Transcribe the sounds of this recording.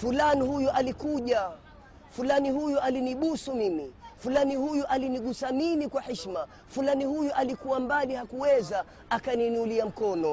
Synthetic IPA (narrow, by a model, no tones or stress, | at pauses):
fulanihujuʔalikuʄa | fulanihujualiniɓusumimifulanihujuʔaliniɠusaminikwahɛʃma | fulanihujuʔalikuwambalihakuwɛza | akaniniuliam̩kɔnɔ